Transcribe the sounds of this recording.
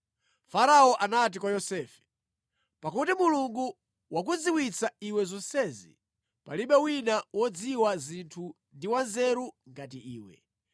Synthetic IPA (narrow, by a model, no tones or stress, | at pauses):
faɾaɔʔanat̬ikwajɔsɛːfɛ̥ | pakutimuluŋɡu | wak̬ud͡ziwit͡saiwɛzɔnsɛzḭ | paliɓɛwinawɔd͡ziwazintʰu | ndiwanzɛɾuŋɡat̬iiːwɛ̰